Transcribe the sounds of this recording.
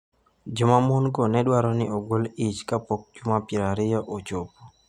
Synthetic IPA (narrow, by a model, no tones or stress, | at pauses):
d͡ʒʊmamʊnɡonɛdwaɾɔnɪoɡolit͡ʃkapok̚d͡ʒʊmapɪɾaɾɪjɔʔot͡ʃopo